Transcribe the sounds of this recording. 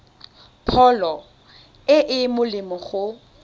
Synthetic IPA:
pʰɔlɔ | ɪʔɪmʊlɪmɔχʊ

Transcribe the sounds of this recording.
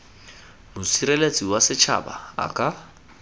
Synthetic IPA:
mʊsiɾɛlet͡sʼiwasɪt͡ʃʰa̰ba̰ːkʼa

